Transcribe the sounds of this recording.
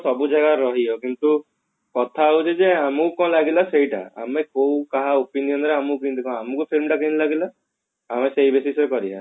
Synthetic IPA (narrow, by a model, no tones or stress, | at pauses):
sɔbuzaɡaɾɔɦiɔkint̪u | kɔt̪ʰauzɛzɛamukɔ̃laɡilaseiʈa̰a̰mɛkowkaɦaopinijɔnɔɾɛamukint̪ikɔ̃amukupʰilmʈakinilaɡila | amɛsejbesisɔjkɔɾiɦã̰